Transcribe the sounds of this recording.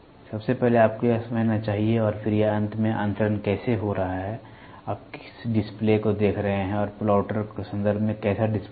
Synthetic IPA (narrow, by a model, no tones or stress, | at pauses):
sɐbsepɛɦleaːp̚keasɐməd͡ʒnat͡ʃaːɦieɔːɾfʰɪɾjaɐ̃nt̪ʰmẽʔɐ̰̃nt̪əɾənkɛːseɦoɾɐɦaɦɛː | aːp̚kɪsɖɪsplekod̪eːkʰɾɐɦeɦɛ̃ɔːɾplaːʊʈəɾkesɐ̃nd̪əɾbʱmẽkɛːsaɖɪsp